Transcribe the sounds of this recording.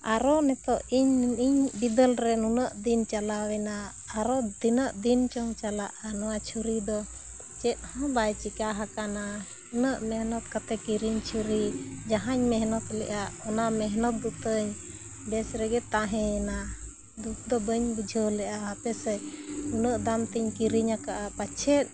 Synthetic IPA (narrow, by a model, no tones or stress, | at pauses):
aɾɔnɛt̪ɔʔiɲiɲbid̪əlɾɛnunəʔd̪int͡ʃalawɛnaː | ɾɔd̪inəʔd̪int͡ʃɔŋt͡ʃalaʔanɔwat͡ʃʰuɾid̪ɔ | t͡ʃɛt̪̚ˀhɔ̃bajt͡ʃikaɦakana | unəʔmɛɦnɔt̪̚kat̪ɛkiɾiɲt͡ʃʰuɾi | d͡ʒaɦaɲmɛɦnɔt̪lɛ̰ʔaʔɔnamɛɦnɔt̪̚d̪ut̪əɲ | d̪ɛsɾɛɡɛt̪aɦɛ̃ɛna | d̪ut̪̚d̪ɔbəɲbud͡ʒʱəlɛʔaɦapɛsɛnunəʔd̪amt̪iɲkiɾiɲakaʔapat͡ʃʰɛt̪̚